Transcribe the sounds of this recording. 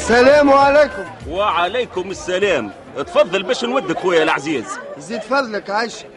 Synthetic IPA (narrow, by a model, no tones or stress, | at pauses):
sælæːmwʕaleːkʊmwaʕalajkʊmɪsːælæːm | t̪fɑðˤːɑlbɛːʃnwad̪ːɪkwæjːælaʕziːzziːd̪fɑðˤləkʕajʃ